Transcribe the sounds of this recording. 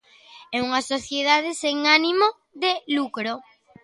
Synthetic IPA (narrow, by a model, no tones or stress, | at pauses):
euŋɐsoθjeðað̞eseŋanimo | ðelukɾo